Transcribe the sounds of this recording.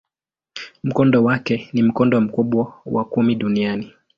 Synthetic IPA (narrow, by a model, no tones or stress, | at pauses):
m̩kɔndɔwakɛnim̩kɔndɔm̩kuɓwawakumiɗuniani